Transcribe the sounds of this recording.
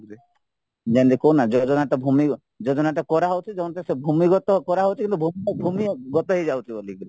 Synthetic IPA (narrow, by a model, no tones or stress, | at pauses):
ɾ | d͡ʒand̪ikonad͡ʒɔd͡ʒɔnat̪ɔbʱumi | d͡ʒɔd͡ʒɔnat̪ɔkɔɾaɦɔwt̪ʰid͡ʒɔɔnt̪esebʱumiɡɔt̪ɔkɔɾaɦɔwt̪ʰikint̪ubʱumbʱumiɡɔt̪ɔɦed͡ʒawt̪ʰibolikɾi